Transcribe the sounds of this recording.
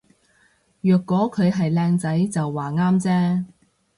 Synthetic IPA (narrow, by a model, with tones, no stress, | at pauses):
jœː˨kːɔː˨˥kʰɵ˨˧ɥɦɐ˨jlɛː˧ŋt͡sɐ˨˥jt͡sɐ˨wːaː˨˩ŋaː˥mt͡sɛː˥